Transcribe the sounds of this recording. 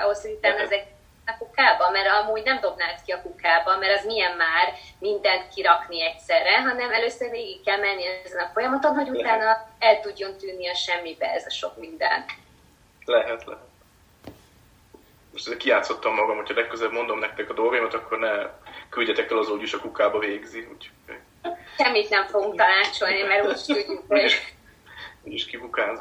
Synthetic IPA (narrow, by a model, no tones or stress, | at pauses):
ɒ̰ɦo̞shoɟut̪aːnɒɛzɛɡi | nɒkukaːbɒmːɛɾɒmuːɟnɛmd̪o̞bnaːt̪kiɒkukaːbɒmmɛɾɒzmijɛmːaːrmind̪ɛnt̪kiɾɒkniɛcsɛrːɛɦɒnɛmɛløːsørveːɡikːɛlmɛnːiɛzɛnɒfo̞jɒmɒt̪o̞nɦho̞ɟut̪aːnɒɛlt̪uɟːo̞nt̪yːnːiɒʃɛmːibɛɛzɒʃo̞kmind̪ɛ̰n | lɛɦɛt̪lɛ̰t̪ | moʃtɛzɛkijaːt̪so̞t̪ːɒmːɒɡɒmhocʰɒlɛkːøzɛɛbmo̞nd̪o̞mnɛk̚t̪ɛkɒd̪o̞lɡojimɒt̪ɒkːo̞rnɛkylɟɛt̪ɛkːɛlɒzoɟuʃɒkukaːbɒveːɡziucʰo̥o̰j | ʃɛmːit̪nɛɱfo̞ɡuŋk̚t̪ɒlaːt͡ʃo̞lnimɛroiʃt̪uyŋko | uɟiʃkibukaːz